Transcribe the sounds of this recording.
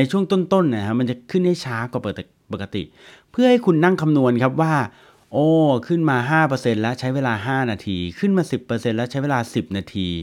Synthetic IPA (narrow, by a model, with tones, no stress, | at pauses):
a˧jt͡ɕʰu˥˩əŋt̪o˥˩nt̪o˥˩nːa˧˩kʰa˦˥ma˧nt͡ɕa˨˩kʰɯ˥˩nha˥˩jt͡ɕʰaː˦˥kwaː˨˩pːt̪ | po˨˩kːa˧t̪ḭ˨˩ʔ | pʰɯ˥˩ɐha˥˩jkʰu˧nːa˥˩ŋkʰa˧mnu˧ənkʰa˦˥p̬̚waː˥˩ | ʔɔː˧˩kʰɯ˥˩nmaː˧ɦaː˥˩pɤː˧se˧nlɛ˦˥ʔt͡ɕʰa˦˥jweː˧laː˧ɦaː˥˩naː˧t̪ʰiː˧kʰɯ˥˩nmaː˧si˨˩pːɤː˧se˧nlɛ˦˥t͡ɕʰa˦˥jweː˧laː˧si˨˩p̚naː˧t̪ʰiː˧